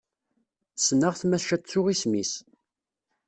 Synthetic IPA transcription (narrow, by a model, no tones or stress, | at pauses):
snəʁθmæʃæt͡sːʊʁismis